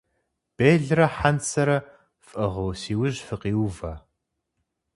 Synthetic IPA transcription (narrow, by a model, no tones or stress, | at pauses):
b̥eːɮrɐħansɐɾɐ | fʼɨʁowsiːwʊʑfɨqiːwvɐ